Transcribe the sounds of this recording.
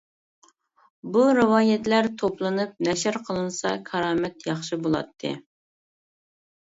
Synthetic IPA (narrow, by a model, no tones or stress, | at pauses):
buɾɨwɑːjɛt̪læɾt̪ʰoplˠɨnɨp̚nɛʃɪɾqʰəlˠɨnɨsɑkʲʰɑɾɑːmɛt̪jɑχʃɨbolˠɑ̰t̪ʰːɨ̰